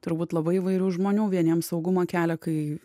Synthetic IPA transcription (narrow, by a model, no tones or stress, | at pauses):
t̪ʊɾbuːt̪lˠɐbɐɪɪʋɐɪɾʲuːʒmoːnʲuːʋʲiɛnʲiɛmsɐʊɡʊmɐkʲæːlʲɛkɐɪ